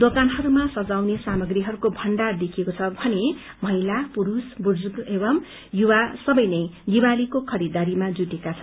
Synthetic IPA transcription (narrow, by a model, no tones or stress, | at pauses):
d̪okanɦʌɾumasʌd͡zawnesamʌɡriɦʌɾukobʱʌɳɖard̪ekʰiekot͡sʰʌbʱʌne | mʌɦilapuɾusburd͡zuɡebʌm | juwasʌbʌjnʌjdiwalikokʰʌɾid̪aɾimad͡zuʈekat͡sʰʌn